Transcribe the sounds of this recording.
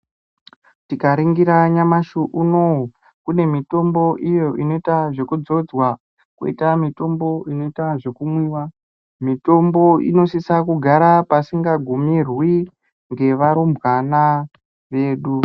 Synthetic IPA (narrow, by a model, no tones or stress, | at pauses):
tikaɾiŋɡiɾaɲamaʃuʔuno | kune̞mito̞mbo̞ʔijo̞ʔino̞itaʐe̞kud͡zo̞d͡zwa | kṵḭtamito̞mbo̞ino̞itaʐe̞kumwiːwa | mito̞mbo̞ḭno̞sisakuɡʱaɾapasiŋɡaɡʱumirwi | ŋɡe̞ʋaɾumbwana | ʋe̞ːɗu